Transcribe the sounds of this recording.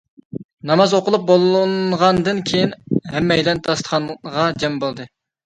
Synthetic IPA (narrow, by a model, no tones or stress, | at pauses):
nɑmɑzoqəlˠup̚bolˠnʁɑnd̪ɨnkʲʰejinɦɛmːɛjlɛnt̪ʰɑst̪ə̥χɑnʁɑd͡ʒɛmbolˠd̪ɨ